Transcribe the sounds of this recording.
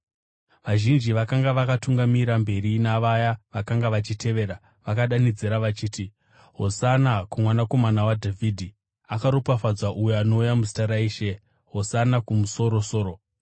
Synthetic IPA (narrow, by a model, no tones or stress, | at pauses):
ʋaʒind͡ʒiʋakaŋɡaʋakatuŋɡamiɾambe̞rinaʋajaʋakaŋɡaʋat͡ʃite̞ʋe̞ːɾa | ʋakaɗanid͡zeɾaʋat͡ʃiːti | ɦosanakumwanako̞manawadʱavidʱi | akaɾopafad͡zaʔujoano̞ujamusi̥taɾaiːʃe | ɦosanakumuso̞ɾo̞so̞ːɾo